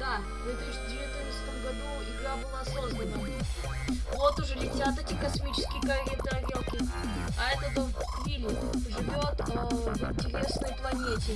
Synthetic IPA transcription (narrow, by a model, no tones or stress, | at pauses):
d̪a | vʲet̪ʲɪʂdʲɪvʲɪt̪ɨnət̪sə̥t̪əmɡɐd̪u | ɪɡd̪ʲabɨlˠaɐso̞znənə | vot̪ʊʐɛlʲɪtʲat̪ɛtʲɪkɐsmʲit͡ɕɪ̥skʲɪjəkɐjʲent̪ɨɐɡʲelkʲɪ | ɐɛt̪ət̪o | fʲilʲ | ʐɨvʲo̞t̪ɪnʲtʲɪɾʲe̞snəjəplˠɐnʲetʲɪ